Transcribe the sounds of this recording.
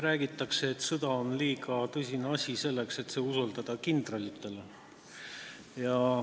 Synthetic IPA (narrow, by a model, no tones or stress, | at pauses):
ræːɡ̥it̪ːˑɑkse̞ːt̪sɤd̪̥ɑonliːɡɑt̪ɤsʲineɑsʲise̞lːe̞kse̞t̪se̞ːusold̪ɑd̪̥ɑkind̪̥rɑlʲit̪ːˑe̞le | jɑ